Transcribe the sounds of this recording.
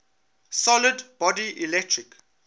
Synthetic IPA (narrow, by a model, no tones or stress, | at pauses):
sɔlədbɔdiʔilɛk̚tʰɹik